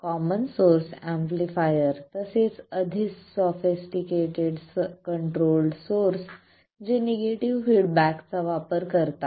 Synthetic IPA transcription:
kɔmənsoɾsæ̃mplifajəɾt̪əset͡səd̪ʱit͡ssɔfisʈikeʈeɽskəɳʈɾolɖsoɾs | d͡ʑeneɡeʈiʋfiɽbækt͡saʋapəɾkəɾt̪a

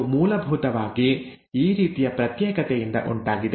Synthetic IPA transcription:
muːlɐbʱuːt̪ɐʋaːɡi | iːɾiːt̪ijɐpɾɐt̪jɛːkɐt̪ɛjind̪ɐ̰ʔuɳʈaːɡid̪

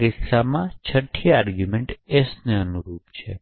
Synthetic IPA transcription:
ɾɪsamãt͡ʃʰəʈʰːiaːɾɡjumẽɳʈesneənuɾuːp̪t͡ʃʰḛ

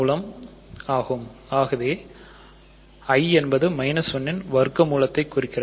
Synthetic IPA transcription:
lɐm | aːɣɯmaːɣɐʋeː | ɐɪɛnbɐðɯmɐɪnɐsʋɔnːɪnʋɐɾɯkːɐmuːlɐt̪ːɐɪkːʊrɪkːɪrɐ

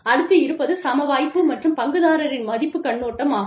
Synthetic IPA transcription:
ɐɽɯt̪ːɯɪɾɯpːɐðɯsɐmɐʋaːjpːɯmɐʈrɯmpɐŋɡɯðaːɾɐɾɪnmɐðɪpːɯkːɐɳːoːʈːɐmaː

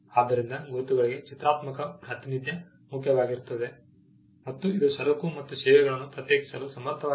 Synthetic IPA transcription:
aːd̪ːɐɾind̪ɐɡoːt̪uɡɐɭiɡe̞t͡ʃit̪ɾaːt̪mɐkɐpɾɐt̪inid̪jɐ | mukʰjɐʋaːɡiɾt̪ɐd̪e̞ | mɐt̪ːuid̪uʃɐɾɐkumɐt̪ːusɛːʋɛɡɐɭɐnːupɾɐt̪jeːki̥sɐlusɐmɐɾt̪ʰɐʋaː

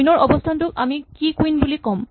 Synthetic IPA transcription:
inɔɹʔɔbɔstʰantʊka̰mikikuinbulikɔm

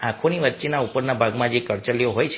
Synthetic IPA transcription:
ãkʰoniʋətːʃenaupəɾnabʱaɡmãd͡ʒekəɾt͡ʃəlijoɦojt͡ʃʰ

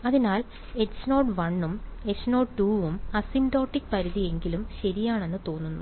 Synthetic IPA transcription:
ɐðinaːl | e̞sno̞ːɖʋɐɳːume̞sno̞ːɖʈuːʋumɐsindo̞ːʈːikːpɐɾiðije̞ŋɡilumɕɐɾijaːɳe̞nːɨt̪o̞ːnːunːu

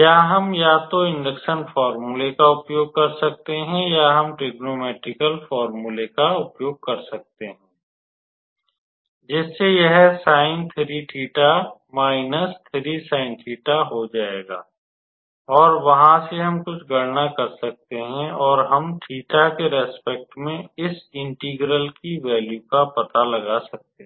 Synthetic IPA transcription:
kjaːɦɐmjaːt̪oɪ̃ɳɖəkʃənfɔːɾmulekaʊpjoːɡ̚kɐɾsɐk̚t̪eɦɛ̃jaɦɐmʈeːɡnoːmɛːʈɾɪkəlfɔːɾmulekaʊpjoːɡ̚kɐɾsɐk̚t̪eɦɛ̃ː | d͡ʒɪsːejɛɦsaːɪ̃nt̪ʰɪɾiʈʰiːʈa | maːɪnəst̪ʰɪɾisaːɪ̃nʈʰiːʈaɦod͡ʒaːeːɡa̰ː | ɔːɾʋɐɦãseɦɐmkʊt͡ʃʰɡɐɽnakɐɾsɐk̚t̪eɦɛ̃ɔːɾɦɐmʈʰiːʈakeɾɛːspek̚ʈmẽɪsɪ̃ɳʈiɡɾəlkiʋɛːljukapɐt̪alɐɡasɐk̚t̪eɦɛ̃

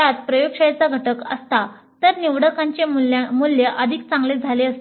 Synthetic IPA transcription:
at̪pɾəjokʂəjt͡saɡʱəʈəkəst̪a | t̪əɾniʋɽəkaɲt͡ɕelmuljəʔəd̪ʱik̚t͡sãŋɡled͡zʱaleəst̪

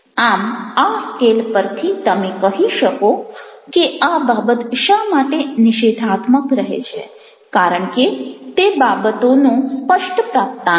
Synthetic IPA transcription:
amaskelpəɾt̪ʰit̪əmekəɦiʃəkokeababət̪ʃamaʈenɪʃed̪ʱat̪məkɾəɦḛt͡ʃʰe | kaɾəɳket̪ebabət̪onũspəʃʈəpɾap̚t̪a

